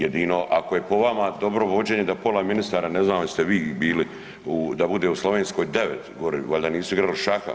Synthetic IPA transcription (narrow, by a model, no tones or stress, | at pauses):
jed̪iːno̞ʔakoje̞po̞ʋamad̪o̞bɾo̞ʋo̞d͡ʑe̞ːɲed̪apo̞laminist̪aːɾane̞znalst̪e̞ʋiːbiːli | ud̪abud̪e̞ːuslˠo̞ʋeːnsko̞jd̪e̞ʋet̪ɡoɾḭʋoʎd̪aniːsuiɡɾaliʃaxa̰